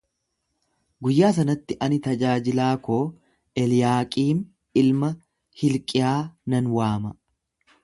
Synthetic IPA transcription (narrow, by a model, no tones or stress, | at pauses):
ɡʊjːaːs̬ɐnɐt̪ːɪʔɐnɪt̪ɐd͡ʒaːd͡ʒɪlaːkoː | ʔɛljaːkʼiːm | ɪlmɐ | hɪlkʼɪjaːnɐnwaːmɐ